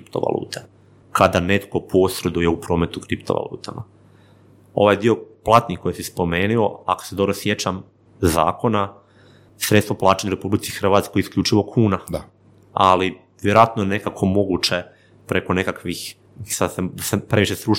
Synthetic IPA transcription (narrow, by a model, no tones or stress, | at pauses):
kɾipt̪o̞̰ʋa̰lṵːt̪e̥ | kad̪ane̞t̪ko̞pʰo̞sɾe̞d̪ujeupɾo̞ːme̞t̪ukɾipt̪oʋa̰lˠṵːt̪a̰ma̰ | o̞̰ʋajd̪io̞plˠat̪niko̞jesispo̞meːnio̞a̰ko̥sed̪o̞bɾosje̞t͡ɕam | za̰ːko̞na | sɾet̪st̪ʋo̞plˠaːt͡ʃeɲaɾepublit̪sixr̩ʋaːt̪skojisklʎʲut͡ʃiʋo̞kʰuːna | ali | ʋjeɾoat̪nojene̞kakʰo̞mo̞ɡut͡ʃe̞ | pɾekone̞kakʋix | sad̪sed̪asepɾe̞ʋiʃesɾu